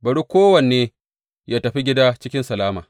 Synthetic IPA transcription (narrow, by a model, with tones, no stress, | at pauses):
bɐ˨ɽu˦kʷoː˦wɐ˨nːeː˦ | jaː˦tɐ˨ɸi˦ɡʲɪ˦daː˦t͡ʃɪ˦kʲɪ˦nsɐ˨laː˦maː˨